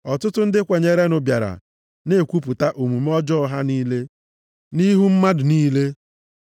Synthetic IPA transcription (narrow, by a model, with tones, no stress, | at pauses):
ɔ˨tʊ˦tʊ˦n̩˦dɪ˦kʷe˨ɲe˨ɾe˦nʊ˨bja˨ɾa̰˨ | ne˦˨kʷu˦pʊ˨ta˦ʔo˨mu˨m˦ɔ˦d͡ʒɔ˦ɦa˦niː˦le˦ | ni˦ɦu˦m̩˦ma˦dʊ˨niː˦le˦